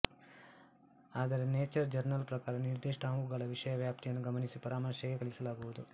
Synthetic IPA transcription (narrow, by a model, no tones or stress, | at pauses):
aːd̪ɐɾeneːt͡ʃɐɾd͡ʒɐɾnɐlpɾɐkaːɾɐniɾd̪iːʂʈaɦuɡaːlɐʋiʂɐjɐʋjaːp̚t̪ʰijɐnːuɡɐmɐnisipɐɾaːmɐɾʃjɐɡeɡɐɭisɐlaːɡuʋud̪u